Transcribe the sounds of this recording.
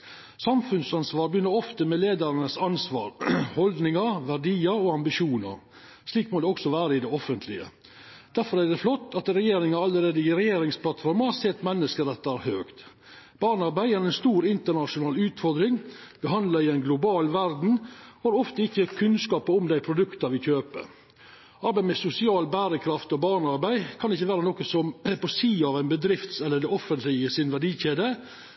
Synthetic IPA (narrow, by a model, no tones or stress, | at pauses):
sɑmfʉnsɑnsʋɑːɾbjʏnːəɾɔft̪əmɛleːd̪əɾnəsɑnsʋɑ̰ːɾhɔld̪nɪŋəɾʋæɾɖiːəɾoɑmbɪʃuːnə̰ɾ | ʂliːkmɔd̪ɛɔksɔʋæːɾəɪd̪ɛɔfənt̪lɪə̰ | d̪̥æɾfɔɾæɾd̪ɛflɔt̪ːɑt̪ɾɛjeːɾɪŋɑɑlːəɾeːd̪əɪɾɛjeːɾɪŋspʰlɑt̪fɔɾməɑsɛt̪ːmɛnːəskəɾɛt̪ːæɾhøːkt̪ | b̥ɑːɳɑɾbæɪæɾɛnst̪uːɾɪnt̪əɳɑʂʊnɑːlʉːt̪fɔɾd̪ɾɪŋb̥əɦɑnd̪lɑɪɛnɡlʊbɑːlʋæɾd̪n̩hɑːɾɔft̪əɪçːəkʰʉnskɑːpəʊmd̪æɪpʰɾʊd̪ʉkt̪ɑʋɪçøːpə̰ | ɑɾbæɪmɛsʊsɪɑːlbæːɾəkʰɾɑft̪ɔbɑːɳɑɾbæɪkʰɑnd̪ɛɪçːəʋæːɾənoːkəsɔmpɔsiːɑʋæɪnbəd̪ɾɪft̪sɛlːəd̪ɛɔfːənt̪lɪəsɪnʋæɖiːçeːd̪ə